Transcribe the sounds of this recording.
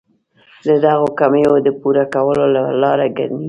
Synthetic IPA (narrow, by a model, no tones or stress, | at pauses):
d̪əd̪aɣokamejod̪əpuɾakawəlolalɑɾaɡa̰ɾmi